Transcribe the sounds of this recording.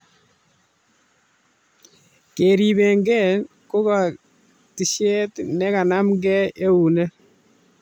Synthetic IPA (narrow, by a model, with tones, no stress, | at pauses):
ke˨ɾi˨βɛ˨ŋɡɛ˦˨ | ko˦ka˨ | ti˨ʃe˦tnɛ˦ka˨na˦mŋɡɛ˦e˦u˨nɛ˦